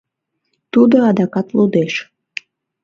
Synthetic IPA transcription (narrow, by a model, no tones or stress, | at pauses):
t̪ud̪oɑd̪ɑkɑt̪lud̪eʃ